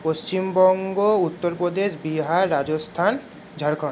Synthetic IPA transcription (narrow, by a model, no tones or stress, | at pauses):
post͡ɕimbɔŋɡout̪ːoɾpɾod̪eʃbiɦaɾːad͡ʑost̪ʰan | d͡ʑʱaɾkʰon